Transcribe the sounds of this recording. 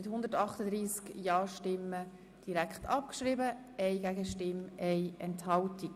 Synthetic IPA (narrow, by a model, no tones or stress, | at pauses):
ɪthʊnd̪ətɑχtədɾiːskjɑːʃtɪmə | d̥iɾækχtʰɑp̚kʃɾɪbə | ɛɪɡæɡəʃtɪmɛɪɛnthɑltik